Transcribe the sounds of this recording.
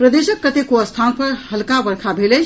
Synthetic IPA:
pɾəd̪eːʃəkːət̪ekoəst̪ʰanpəɾhəlkabəɾkʰabʱele

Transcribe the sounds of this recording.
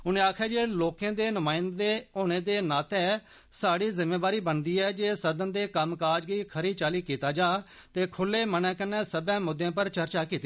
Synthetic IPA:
ʊnẽːaːkʰɛːd͡ʒeːloːkãːd̪eːnʊmãːɪnd̪eːoːñeːd̪eːnaːt̪ɛː | saːɽiːzɪmːeːbaːɾiːbənd̪iːɛːd͡ʒeːsəd̪ənd̪eːkəmkaːd͡ʒɡiːkʰəɾiːt͡ʃaːliːkiːt̪aːd͡ʒaːt̪eːkʰʊlːeːmənɛ̃ːkənɛ̃ːsəbɛ̃ːmʊd̪ːjãːpəɾt͡ʃəɾt͡ʃaːkiːt̪i

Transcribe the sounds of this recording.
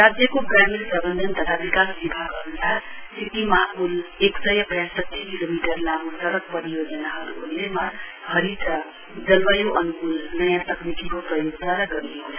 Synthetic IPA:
ɾad͡ʒjəkoɡɾamiɾpɾʌbənd̪ʱənt̪ʌt̪ʰabikasbibʱaɡənusaɾ | sʰik̪imaʔuleksəjʌpəjasʌt̪ʰːikilomiʈəɾlamusəɽək̚pəɾijod͡ʒənaɦʌlondema | hʌɾita | d͡zʌlʋəjoʔʌnukulnəjãt̪ʌknikikopɾʌjoɡsaɾaɡʌɾieko

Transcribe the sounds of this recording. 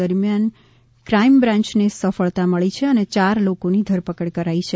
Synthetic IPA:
əɾmjan | kɾaimbɾãɲt͡ʃnesəfəɭt̪aməɭit͡ʃʰeənet͡ʃaɾlokonid̪ʱəɾpəkəɽkəɾait͡ʃʰe

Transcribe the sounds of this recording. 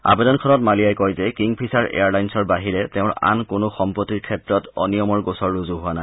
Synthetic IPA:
a̰bedɔnkʰɔnɔtmaliajkɔjzɛkiŋpʰisaɹʔḛaɹlajnsɔɹbaɦiɹɛtɛʊ̃ɹa̰nkʊnʊxɔmpɔtːiɹkʰɛtɹɔtɔ̰nijɔmɔɹɡosɔɹːuzuɦʊwanaj

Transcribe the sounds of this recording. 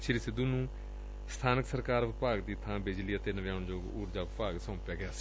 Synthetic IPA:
t͡ʃʰiɾisɪd̪uːnũː | st̪ʰaːnəksəɾkaːɾʋɪpaːɡd̪iːt̪ʰãːbed͡ʒliːət̪eːnəʋjãːʊɳd͡ʒoːɡuːɾd͡ʒaːʋɪpaːɡsãːpjaːɡɪjaː

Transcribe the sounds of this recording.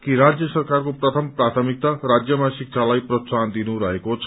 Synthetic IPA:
kiɾad͡zjʌsʌrkarkoprʌt̪ʰʌmprat̪ʰʌmik̚t̪arad͡zjʌmasik̚t͡sʰalajprʌsand̪inuɾʌɦekot͡sʰʌ

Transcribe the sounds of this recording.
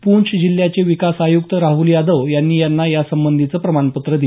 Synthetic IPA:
puɳt͡ɕʰd͡ʑil̤jat͡seʋikasajuk̚t̪əɾaɦuljad̪əʋjanːiːjanːajasəmbənd̪ʱit͡səːpɾəmanpət̪ɾəd̪i

